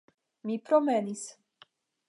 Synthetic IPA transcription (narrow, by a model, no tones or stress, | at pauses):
mipɾomenis